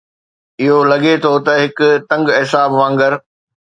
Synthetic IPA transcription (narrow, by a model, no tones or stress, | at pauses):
ɪɦolɐɠet̪ʰot̪ɐɦɪkʊt̪ɐ̃ŋɡɦɪsaːbʋãːŋɡəɾ